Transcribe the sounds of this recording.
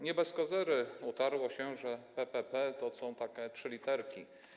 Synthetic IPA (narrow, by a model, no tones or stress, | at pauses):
ɲɛbɛskɔzɛɾɘut̪aɾwɔɕɛʐɛpɛpɛpɛt̪ɔsɔ̃w̃t̪akʲɛtʂɘlʲit̪ɛɾkʲi